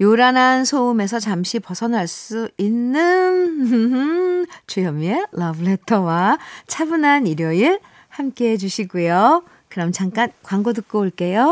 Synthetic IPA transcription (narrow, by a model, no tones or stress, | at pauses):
joɾanansʰoume̞s̬ʰʌt͡ɕamɕʰipʌsʰʌnɦaɭs͈uinːɯnnt͡ɕujʌmielʌbɯɭe̞tʰʌwat͡ɕʰabɯnaniɾjʌiɭ | hamk͈eɦed͡ʑuɕʰiɡujo | kɯɾʌmt͡ɕaŋk͈ankwaŋɡodɯk̚k͈ooɭk͈e̞jo